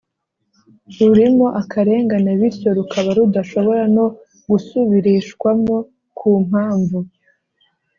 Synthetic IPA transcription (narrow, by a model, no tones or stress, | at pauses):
ɾuɾimo̞ʔakʰaɾe̞ːŋɡaneβiɾco̞ɾukʰaβaɾudaʃo̞βo̞ɾano̞ | ɡusuβiɾiʃkwamo̞ | kʰuːm̥aːɱvu